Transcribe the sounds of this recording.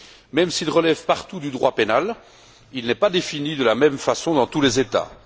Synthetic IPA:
mɛmsilʁəlɛvpaʁt̪ud̪yd̪ʁwapenal | ilnɛpad̪efinid̪əlamɛmfasɔ̃d̪ɑ̃t̪ulezet̪a̰

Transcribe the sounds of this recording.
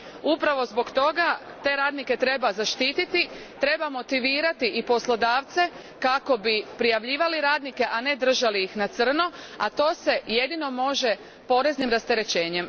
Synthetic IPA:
upɾaʋo̞zbo̞ɡt̪o̞ɡa | t̪e̞ɾaːd̪nike̞t̪ɾe̞bazaʃt̪iːt̪it̪i | t̪ɾe̞bamo̞t̪iʋiːɾat̪iʔipo̞slˠo̞d̪aːʋt̪se̞ | kako̞bipɾijaʋʎiːʋaliɾaːd̪nike̞ʔane̞d̪r̩ʒaliixnat̪sr̩no | a̰t̪o̞ːse̞je̞d̪ino̞mo̞ʒe̞ | po̞ɾe̞znimɾast̪e̞ɾe̞t͡ɕe̞ːɲe̞m

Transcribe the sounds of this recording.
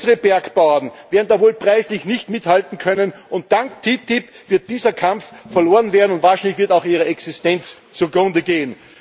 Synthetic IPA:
əʁəbɛɐkb̥aʊdn̩veːɐdn̩d̥aːvoːlpʁ̥aɪslɪçnɪçtmɪthaltn̩kʰœnənʔʊnt̚d̥aŋktʰitɪp | v̥ɪɐt̚d̥iːzɐkʰamffɛɐloːʁənveːɐdn̩ʊntvaːɐʃæɪnlɪçv̥ɪɐtaʊxiːʁəɛksɪstɛnt͡s | t͡suɐɡʁʊ̃ndəɡeːən

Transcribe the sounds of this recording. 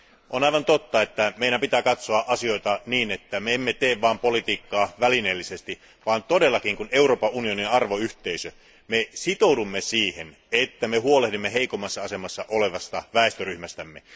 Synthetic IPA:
ʔonɑiʋɑnt̪ot̪ːɑe̞t̪ːæmeiɾæmpit̪æːkɑt̪soɑʔɑsio̞it̪ɑniːnet̪ːæmeemːet̪eːʋʋɑːmpolit̪iːkːɑːʋælinelːisest̪i | ʋɑːnt̪ode̞lːɑkiŋkune̞uroːpɑʔunio̞niɑrʋoyht̪eisø | mesit̪owdumːesiːhen | et̪ːæmeɦuolehdimːeɦe̞ikomːɑsːɑɑse̞mɑsːɑʔole̞ʋɑst̪ɑʋæˑest̪øryhmæst̪æmːḛ

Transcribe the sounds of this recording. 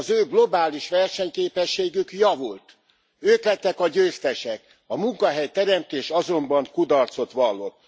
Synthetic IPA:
zøːɡlo̞baːliʃʋɛrʃɛɲkeːpɛʃːeːɡykjɒvult̪ | øːk̪lɛt̪ːɛkɒɟøːst̪ɛʃɛk | ɒmuŋkɒɦɛjt̪ɛɾɛmt̪eːʃɒzo̞mbɒŋkud̪ɒrt̪so̞t̪ʋɒlːot̪

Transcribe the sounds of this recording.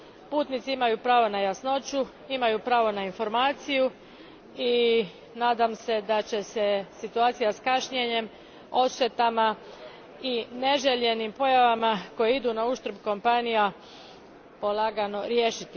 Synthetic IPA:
puːt̪nit̪siimajupɾaːʋo̞najasno̞t͡ɕu | imajupɾaːʋo̞nainfo̞ɾmaːt̪siju | i | naːd̪amse̞d̪at͡ɕe̞sesit̪uaːt̪sijaskaʃɲeɲe̞m | o̞ʃt̪e̞t̪ama | ine̞ʒeʎe̞nimpo̞jaʋamako̞jeid̪unauʃt̪ɾ̩bko̞mpanija | po̞laːɡano̞ɾjeːʃit̪i

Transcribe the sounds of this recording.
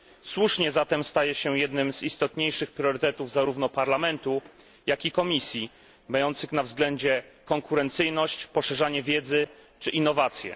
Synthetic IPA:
swuʂɲɛzat̪ɛmst̪ajɛɕɛjɛd̪nɘmz̥ist̪ɔt̪ɲejʂɘxpɾʲjɔɾɘt̪ɛt̪uvzaɾuvn̪ɔpaɾlamɛnt̪u | jakʲikɔmʲisʲji | majɔnt̪sɘxnavzɡlɛɲd͡ʑɛkɔŋkuɾɛnt̪sɘjnɔɕt͡ɕpɔʂɛʐaɲɛvʲjɛd̪zɘt͡ʂɘʔinːɔvat̪sʲjɛ̰

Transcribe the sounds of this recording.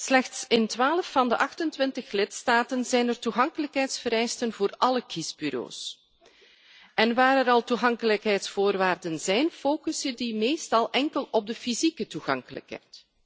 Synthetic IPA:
slɛxtsɪntʋaːləfːɑndəʔɑxtəntʋɪntəxlɪtstaːtənzɛjnərtuɣɑŋkələkɦɛjtsfəɾɛjstənvoːrɑləkizbyɾo̰ːs | ɛnʋaːɾɛɾɑlˠtuɣɑŋkələkɦɛjtsfoːrʋaːrdənzɛjnfoːkʏsədimeːstɑlˠʔɛŋkəlɔb̚dəfizikətuɣɑ̰ŋkələ̰kɦɛ̰jt

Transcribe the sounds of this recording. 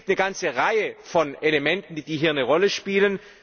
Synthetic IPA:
tnəɡant͡səʁaɪəfɔnelemɛntn̩did̥iːɦiːɐnəʁɔləʃpiːlən

